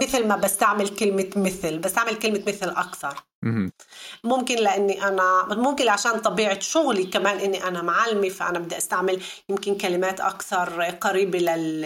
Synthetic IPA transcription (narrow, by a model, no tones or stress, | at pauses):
mɪθlmabast̪aʕmɪlkɪlmɪmɪθlbast̪aʕmɪlkɪlmat̪mɪθlʔakθɑɾˤ | mʊmkɪnlɪʔanːiʔanamʊmkɪnʕaʃaːnt̪ˤɑbiːʕɪt̪ʃʊɣlikamaːnʔɪnːiʔanamʕalːmifaʔa̰nabɪd̪ːaʔast̪aʕmɪljɪmkɪnkalɪmaːt̪ʔa̰kθɑɾˤqaɾiːbilɪl